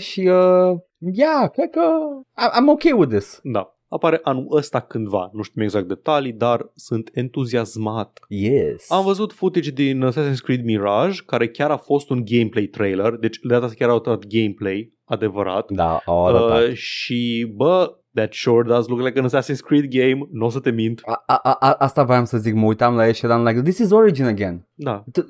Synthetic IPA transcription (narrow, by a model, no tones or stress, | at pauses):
ʃiə | jakɾed̪̚kəaʔajmokejwɪðɪsd̪a | apaɾe̞ʔanuʔəst̪akɨnd̪va̰nuʃt̪imwe̞ɡzak̚t̪̚d̪et̪alid̪arsɨnt̪e̞nt̪uziazmat̪jɛsamvəzut̪fut̪id͡ʒd̪insasinskɾit̪miɾaʒkaɾe̞kʲaɾafo̞st̪unɡe̞jmplejt̪ɾejlerd̪e̞t͡ʃʲd̪eat̪asi̥kʲaɾawt̪əɾat̪ɡe̞jmplej | ad̪e̞vəɾa̰t̪d̪a̰ | ʃibə | d̪æt̪ʃuɾd̪azlukɾuɾlekənsasinskɾit̪ɡejmnos̬ət̪e̞mĩnt̪aaʔaʔaʔast̪avɾamsəzikməujt̪amlajeʃad̪amlajkd̪isizoɹid͡ʒinəɡen | d̪at̪